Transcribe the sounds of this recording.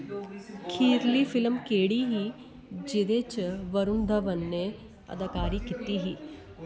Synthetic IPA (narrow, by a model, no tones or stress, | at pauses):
kʰiːɾlifɪlmkeːɽiɦi | d͡ʒɪd̪et͡ʃʋəɾʊnd̪ʱəʋənːe | ɐ̰d̪əkaːɾikit̪iɦiː